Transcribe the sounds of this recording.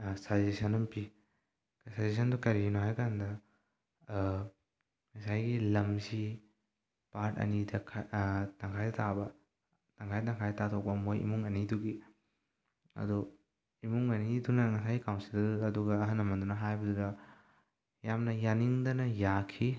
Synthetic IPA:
sazesɐnɐmpi | ksazes̬ʰɐndukɐɾinoɦajkandɐ | ŋɐsajɡilɐmsi | paɾtɐ̰nidɐkʰtaŋkʰajdɐtʰabɐ | taŋkʰajtaŋkʰajdtatʰok̚pɐmojḭmuŋɐniduɡi | ɐ̰du | imuŋɐnidunɐŋɐsajɡikawnsildɐduɡɐːɦɐnːɐmɐndunɐɦajbɐdudɐ | jamnɐjaniŋdɐnɐjakʰi

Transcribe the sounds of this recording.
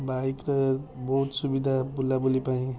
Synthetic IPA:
bajkɾʌbɔɦut̪subid̪ʱabulːabulipaĩ

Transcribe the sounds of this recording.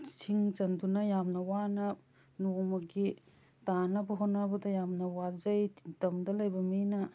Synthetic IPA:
sʰiŋt͡ʃɐndunɐjamnɐwanɐp̚ | nomɐɡi | tanɐbɐɦonːɐbɐdɐjamnɐwazɐjtɐmdɐlɐjbɐminɐ

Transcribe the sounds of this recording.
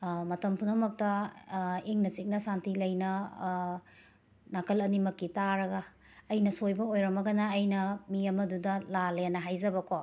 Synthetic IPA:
mɐtɐmpʰunɐmɐk̚tɐ | eŋnɐsik̚nɐsantilɐjnɐ | nakʰɐlɐnimɐkːitaɾɐɡɐː | jnɐsojbɐojɾɐmɐɡɐnɐːjnɐmiɐmɐdudɐlaleanɐɦajzɐbɐkʰo

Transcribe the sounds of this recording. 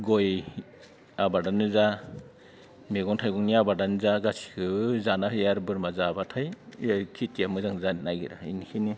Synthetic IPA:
ɡɔj | abadanɯza | meɡɔŋtʰajɡɔŋniabadanɯzaɡasi̥kʰɯzanahɯjaɾbɯɾmazaːbatʰajkʰitijamɯzaŋzannajɡiɾa̰inikʰini

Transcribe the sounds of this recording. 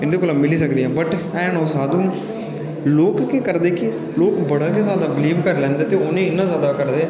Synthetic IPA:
ɪnd̪ukulɐmɪlis̬ɐkd̪iɦãːbɐʈ | ɛ̃ːnoːsaːd̪ũ | loːkkekɐɾd̪eːki | loːkbɐɽaːɡezjaːd̪aːbɪliːbkɐɾlɛ̃ːnd̪ɐt̪eonẽɪnːazaːd̪akɐɾd̪eː

